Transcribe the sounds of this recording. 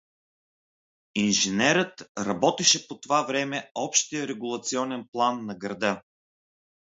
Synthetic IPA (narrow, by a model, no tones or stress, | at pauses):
inʒinɛɾət̪ɾɐbɔt̪ɛʃɛpot̪ovavɾɛmɛɔpʃt̪ijəɾɛɡulˠɐt̪siɔnɛnplˠanːɐɡɾɐd̪ɤ